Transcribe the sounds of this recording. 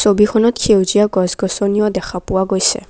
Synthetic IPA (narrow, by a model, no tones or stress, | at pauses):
sobikʰɔnɔtkʰewzijaɡɔzɡɔsɔnijɔdɛxʰapʊwaɡojsɛ̰